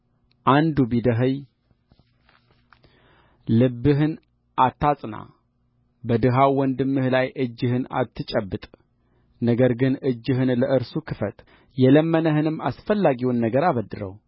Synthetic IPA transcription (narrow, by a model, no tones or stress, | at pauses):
ʔand̪ubid̪əɦəj | lɨbːɨɦɨn | ʔat̪ːasʼna̰ | bəd̪ɨɦawːɔnd̪ɨmːɨhlajʔɨd͡ʒːɨhɨna̰t̪ʰːɨt͡ʃʼəbːɨt̪ʼ | nəɡəɾɡɨnʔɨd͡ʒːɨɦɨnləʔɨɾsukʰɨfət̪ | jɛləmːənəhɨnɨmːasfəlːaɡiwnːəɡəɾaβəd̪ɨɾə̰w